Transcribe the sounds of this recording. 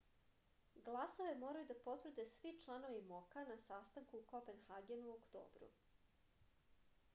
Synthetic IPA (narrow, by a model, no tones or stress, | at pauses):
ɡlˠasoʋe̞mo̞ːɾajud̪apo̞t̪vr̩d̪e̞sʋit͡ʃlˠano̞ʋimokanasast̪aŋkukopenxaɡenuokt̪o̰ːbɾṵ